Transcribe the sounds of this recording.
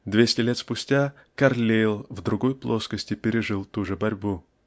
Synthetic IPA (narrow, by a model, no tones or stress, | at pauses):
d̪vʲesʲtʲɪlʲet̪spʊsʲtʲa | kɐrlʲelˠvd̪ɾʊɡo̞jplˠo̞skəsʲtʲɪpʲɪɾʲɪʐɨlˠt̪uʐɨbɐɾʲbu